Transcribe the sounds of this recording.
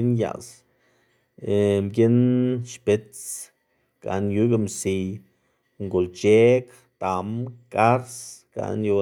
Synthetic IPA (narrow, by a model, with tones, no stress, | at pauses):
nja̰˨s | emɡʲe˦nʃpe˧t͡s | ɡ̥a̰˨nju˧˦ɡa˧msi˧ | ŋɡo˨lt͡ʃe˦k | t̪a˨mka˦ɾsɡ̥a̰˧˨nju˧